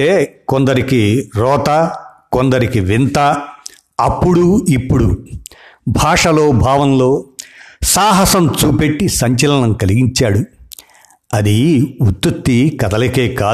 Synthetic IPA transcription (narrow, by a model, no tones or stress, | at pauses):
eːkond̪ɐɾikiɾɔːt̪ɐkond̪ɐɾikiʋint̪ɐ | ɐpːuɽuipːuɽṵ | bʱaːʂɐlo̞ːbʱaːʋɐnlo̞ː | saːɦɐsɐmt͡ʃuːpe̞ʈːisɐɲt͡ʃɐlɐnɐmkɐliɡiɲt͡ʃaːɽu | ɐd̪iut̪ːut̪ːikɐd̪ɐlɐke̞ːkaː